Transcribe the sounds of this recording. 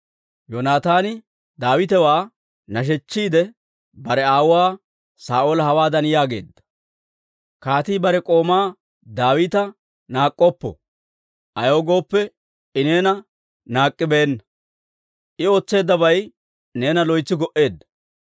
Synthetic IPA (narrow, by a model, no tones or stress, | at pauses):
jɔnaːt̪aːnɪ | d̪aːwɪt̪ɛwaː | nɐʃ̬ɛt͡ʃːiːd̪ɛ | bɐɾɛaːwʊwaː | saːʔoːlɐhɐwaːd̪ɐnjaːɡe̞̰ːd̪ːɐ̥ | kaːt̪iːbɐɾɛkʼo̞ːmaː | d̪aːwɪːt̪ɐ | naːkʼːɔpːɔ̰ | ʔɐjo̞ːɡo̞ːpːɛ | ɪne̞ːnɐ | naːkʼːɪbeːnːɐ | ʔɪoːt͡sːe̞ːd̪ːɐbɐj | ne̞ːnɐlɔjt͡sːɪɡɔʔe̞ːd̪ːɐ̥